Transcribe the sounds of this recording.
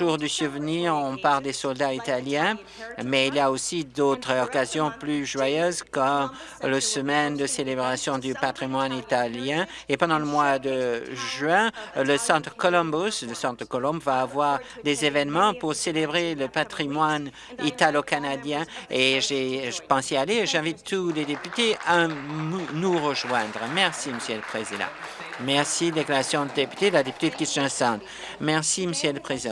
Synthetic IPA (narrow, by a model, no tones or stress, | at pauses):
ʒuʁd̪ysuvniʁɔ̃paʁld̪esɔld̪ait̪aljɛ̃ | mɛiljaosid̪ot̪χɔkazjɔ̃plyʒwajøzkɔm | ləsəmɛnd̪əselebʁasjɔ̃d̪ypat̪χimwanit̪aljɛ̃epɑ̃d̪ɑ̃ləmwad̪əʒɥɛ̃ləsɑ̃t̪χəkɔlɔ̃busləsɑ̃t̪χəkɔlɔ̃bvaːvwaʁd̪ezevɛnmɑ̃puʁselebʁeləpat̪χimwan | it̪alokanad̪jɛ̃eʒeʒəpɑ̃sealeʒɛ̃vit̪ːuled̪epyt̪ea | nuʁəʒwɛ̃d̪ʁəmɛʁsiməsjɛləpχezid̪ɑ̰̃ | mɛʁsid̪eklaʁasjɔ̃d̪əd̪epy̥t̪elad̪epy̥t̪ed̪kʲist̪ɛ̃sɑ̃t̪ | mɛʁsiməsjɛləpχezid̪ɑ̃